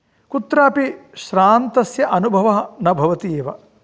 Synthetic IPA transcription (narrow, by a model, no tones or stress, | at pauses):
kut̪ɾaːpiʃɾaːnt̪ɐsjɐʔɐnubʱɐʋɐɦɐnɐbʱɐʋɐt̪ieːʋɐ̰